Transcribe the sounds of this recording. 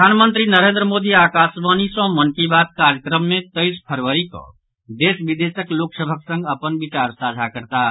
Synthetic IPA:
pəanmənt̪ɾinəɾẽːnd̪ɾəmoːd̪iaːkaːsʋanisɔ̃mənkibat̪̚kaɾjəkɾəmːẽt̪əɪspʰəɾʋəɾikɔ̰̃ | d̪eːsbid̪esəkloːksəbʱəksə̃ŋɡəpənbit͡ʃaɾsad͡ʒʱakəɾt̪a

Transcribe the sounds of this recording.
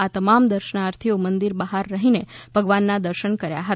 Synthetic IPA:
at̪əmamd̪əɾʃənaːɾt̪ʰiomənd̪iɾbəɦaɾːəɦineb̥ʱəɡʋanːad̪əɾʃəɳkəɾja̰ɦət̪

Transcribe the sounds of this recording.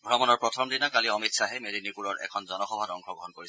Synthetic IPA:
ɡʱɔɹɔmɔnɔɹpɹɔtʰɔmdinakaliɔmitsaɦemedinipuɹɔɹɛ̰kʰɔnzɔnɔxɔbʱatɔŋkʰɔɡɹɔɦɔnkoɹisɛ

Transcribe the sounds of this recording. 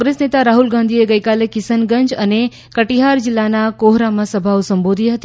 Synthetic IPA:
ɡɾesnet̪aɾaɦulɡãnd̪ʱieɡəjkalekɪsənɡəɲd͡ʒəne | kəʈiɦaɾd͡ʒilːanakoɦɾamãsəbʱaʋsəmbod̪ʱiɦət̪i

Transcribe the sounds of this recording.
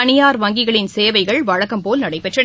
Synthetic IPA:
ɐnɪjaːɾʋɐŋɡɪɣɐɭɪnseːʋɐɪɣɐɭʋɐɻɐkːɐmpoːlnɐɽɐɪpːɛʈrɐ

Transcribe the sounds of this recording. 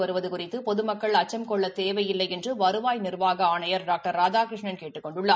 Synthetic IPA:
ʋɐɾɯʋɐðɯkʊrɪt̪ːɯpɔðɯmɐkːɐɭɐt͡ʃːɐmkɔɭːɐt̪eːʋɐjɪlːɐjɛndrɯʋɐɾɯʋaːjnɪrʋaːɣɐaːɳɐjɐɾɖaːk̚ʈɐɾːaːd͡ʒaːkɾɪʂɳɐnkeːʈːɯkːɔɳɖɯɭːɐ

